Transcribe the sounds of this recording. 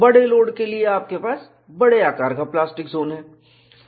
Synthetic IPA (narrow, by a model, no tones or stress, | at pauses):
bɐɽeloːɽkelieaːp̚kepaːs | bɐɽeaːkaːɾkaplaːsʈɪkzoːnɦɛː